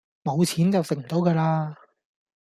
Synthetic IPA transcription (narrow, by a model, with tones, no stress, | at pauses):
mo˨˧wt͡sʰiː˨˥nt͡sɐ˨wsɪ˨k̚m̩˨˩t̪o˨˥wkɐː˧laː˧